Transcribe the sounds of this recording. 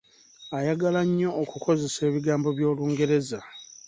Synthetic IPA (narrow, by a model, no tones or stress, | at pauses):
ajaɡalaɲːo̞ːkuko̞ze̞se̞ːβiɡaːmbo̞βjo̞ːluːŋɡe̞ɾe̞za